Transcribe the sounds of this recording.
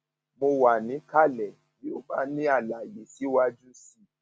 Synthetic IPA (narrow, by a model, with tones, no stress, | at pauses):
mo˧wa˨nĩ˨˦ka˦˨lɛ˨ | ji˨˦o˦ba˦˨nĩ˦a˦˨la˨je˨si˨˦wa˧d͡ʒu˦si˦˨